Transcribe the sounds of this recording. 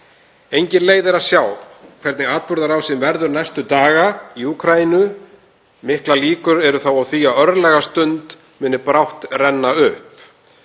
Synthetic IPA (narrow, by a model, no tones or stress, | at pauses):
ejɲcɪnleːjðɛɾasjaːwkʰv̥ɛɾt̪nɪɣaːt̪̚pʏɾðaɾawsɪmvɛɾðʏɾnajst̪ʏt̪aːɣaiuːkʰɾainʏ | mɪhklaliːkʏɾɛɾʏθawawθiːaœɾðlɛɣast̪ʏnt̪ | mɪːnɪpɾawht̪rɛnːaʏhp